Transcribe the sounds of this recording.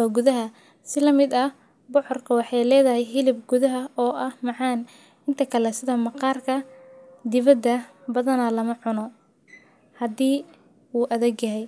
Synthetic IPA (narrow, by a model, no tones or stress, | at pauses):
ɔɡʊðɐɦɐ | sɪlɐmɪd̪ɐ | bʊħɔrkʰɐwɑħɑjlɛːðɐɦɛjɦɪlɪb̚ɡʊðɐɦɐɔːʔɐhmɑʕɑːn | ɪnt̪ʰɐkʰɐlɛsɪðɐmɑqɑːrkʰɐd̪ɪβɐd̪ːɐbɐðɐnɐlɐmɐʕʊnɔ | hɐd̪iː | uːʔɐðɛɡjɐɦɛj